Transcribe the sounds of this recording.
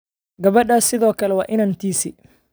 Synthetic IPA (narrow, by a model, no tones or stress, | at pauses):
ɡɐβɐɗaːsɪðɔːkɐlɛwa̰ːʔɪnɐnt̪iːsḭː